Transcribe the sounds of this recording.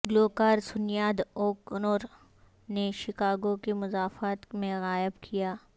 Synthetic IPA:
ɡloːkaːɾsʊnjaːd̪oːknoːɾ | neʃɪkaːɡõkimʊzaːfaːt̪mẽɣaːɪbkʰijaː

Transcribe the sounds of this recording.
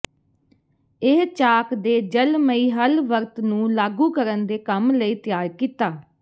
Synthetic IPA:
ɪɦt͡ʃaːkd̪eːd͡ʒəlməiːɦəlʋəɾt̪nũːlaːɡũːkəɾənd̪eːkəmləiːt̪ɪjaːɾkiːt̪aː

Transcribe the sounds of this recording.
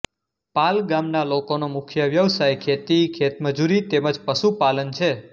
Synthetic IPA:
palɡamnalokonomʊkʰjəʋjəʋsajkʰet̪ikʰet̪məd͡ʒuɾit̪eməd͡ʒpəʃupalənt͡ʃʰe

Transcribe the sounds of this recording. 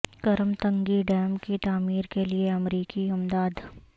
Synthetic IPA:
kɐɾmt̪ɐ̃ŋɡiɖɛːmkit̪aːmiːɾkelieɐmɾiːkiʊmd̪aːd̪

